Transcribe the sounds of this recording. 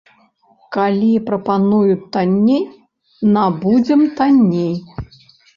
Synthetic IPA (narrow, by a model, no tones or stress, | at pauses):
kalʲipɾɐpanujut̪anʲːej | nabud͡zʲɛmt̪anʲːej